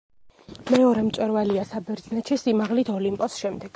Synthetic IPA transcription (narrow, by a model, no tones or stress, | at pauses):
mɛɔɾɛmt̪sʼwɛɾvaliasabɛɾd̪znɛt͡ʃɛsimaʁlit̪ʰɔlimpʼɔsʃɛmd̪ɛɡ̥